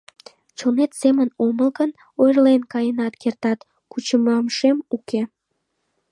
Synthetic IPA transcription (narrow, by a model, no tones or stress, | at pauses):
t͡ɕonet̪semənoməlkən | ojrlenkɑjənɑt̪kert̪ɑt̪ | kut͡ɕəmɑmʃemuke